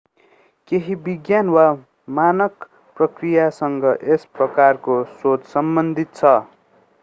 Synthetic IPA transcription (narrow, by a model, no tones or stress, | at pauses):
keɦibiɡjanwa | manʌk | prʌkrijasʌŋɡʌʔesprʌkarkosot͡ssʌmbʌnd̪ʱit̪̚t͡sʰʌ